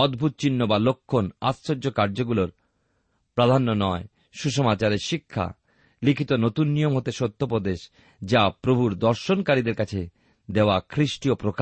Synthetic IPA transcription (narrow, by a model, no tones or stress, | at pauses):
ɔd̪bʱut̪̚t͡ɕinːobalokʰːona̰ssod͡ʑokaɾd͡ʑoɡuloɾ | pɾad̪ʱanːonɔe | ʃuʃomat͡ɕaɾeɾʃikʰːa̰ | likʰit̪onot̪unːijomɦot̪eʃot̪ʰːop̬od̪eʃ | d͡ʑapɾobʱuɾd̪ɔɾʃonkaɾid̪eɾkat͡ɕʰe | d̪eoakʰɾiʃʈiopɾoka